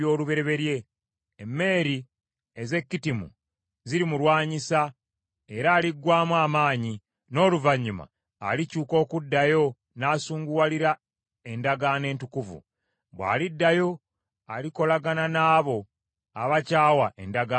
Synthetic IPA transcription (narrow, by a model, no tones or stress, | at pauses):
o̞ːluβe̞ɾe̞βe̞ɾje̞ː | mːe̞ːɾi | eze̞kːitimṵ | ziɾimulwaːɲisa | e̞ɾaːliɡːwaːmwaːmaːɲi | no̞ːluvaɲːuma̰ː | licuːko̞ːkudːajo̞ | naːsuːŋɡuwaliɾa | e̞ndaɡane̞ːntukuvṵ | βwa̰ːlidːajo̞ | aliko̞laɡananaːβo̞ | aβacaːwaʔḛndaɡa